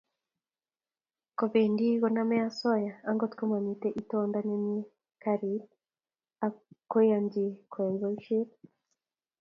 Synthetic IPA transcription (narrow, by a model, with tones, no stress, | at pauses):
ko˨βe˨ndi˦ɣo˦na˦mɛ˦ja˦sɔ˦ja˨a˦ŋɡo˦tko˦ma˨mi˨tɛ˦ʔi˦to˨nda˦ne˦mje˦ | ka˦ɾi˨ | a˨ko˦ja˨mɟi˨kwe˨nzo˨ʃe˦ɾ